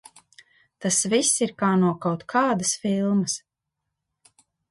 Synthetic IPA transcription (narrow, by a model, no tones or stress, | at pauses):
t̪asvisiɾkaːnuɔkawt̪kʰaːd̪asfilˠməs